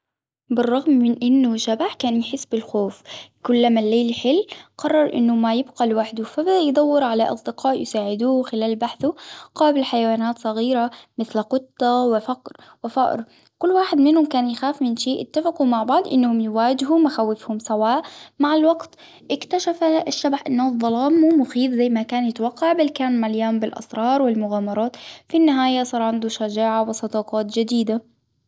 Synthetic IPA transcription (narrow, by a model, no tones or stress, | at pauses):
bɪrˤːɑɣmːɪnʔɪnːʊʃabaħkaːnjħɪsːbɪlxoːfkʊlːamalːeːlħɪlːqɑrˤːɑɾˤʔɪ̰nːʊmajɪbqalwaħd̪ufabad̪ajd̪ˤɑwːɪɾʕalaʔɑ̰sˤd̪ɪqɑːʔjɪsaːʕɪd̪uːwxɪlaːlbaħθuqɑːbɪlħajawaːnaːt̪sˤɑɣiːɾamɪθlqʊt̪ˤːɑwɪfaqɾ | wɪfa̰ʔɾ | kʊlːwaːħɪd̪mɪnhʊmkaːnjɪxaːfmɪnʃeːʔɪt̪ːafɪqumaʕbɑʕd̪ˤʔɪnːhʊmjɪwaːd͡ʒɪɦumaxawːɪfhʊmsawaːʔmaʕɪlwaɡt̪ | ʔɪkt̪aʃafaɪʃːabħʔɪnːðˤːɑlɑːmːuːmʊxiːðzajːmakaːnjɪt̪awɑqːɑʕbalkaːnmʕaljaːmbɪlʔɑ̰sɾˤɑːɾˤwɪlmʊɣaːmɑɾˤɑːt̪finːɪɦaːjasˤɑːɾˤʕand̪uʃad͡ʒaːʕawɪsˤɑd̪ɑːqɑːt̪d͡ʒɪd̪iːd̪a